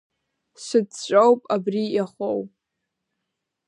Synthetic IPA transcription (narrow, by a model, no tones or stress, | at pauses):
sɨdt͡ʃʷʼowpʼabrijaχʷow